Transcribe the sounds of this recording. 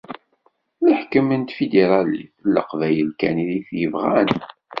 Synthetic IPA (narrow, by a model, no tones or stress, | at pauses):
ləħkəmənt̪fid̪eɾˤɑlḭfəlːə̰qvæjəlkæniðiθjəvʁæn